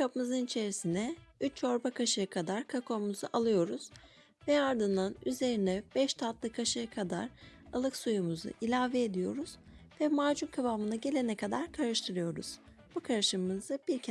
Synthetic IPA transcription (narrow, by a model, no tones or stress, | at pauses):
kʰapɯmɯzɯnit͡ʃʰe̞ɾisinɛyt͡ʃʰo̞ɾbakʰaʃɯjakʰad̪aɾkʰakʰo̞muzuʔalˠɯjo̞ɾuz̥ | vɛaɾd̪ɯnd̪anyze̞ɾinɛb̥ɛʃt̪ʰat̪lˠɯkʰaʃɯjakʰad̪a̰ɾalˠɯksujumuzṵʔilʲaːvɛed̪ijo̞̰ɾuz̥vɛmaɾd͡ʒunkʰabamɯnaɟe̞lʲe̞nɛkʰad̪aɾkʰaɾɯʃt̪ʰɯɾɯjo̞ɾṵz̥ | b̥ukʰaɾɯʃɯmːɯzɯb̥iɾcʰ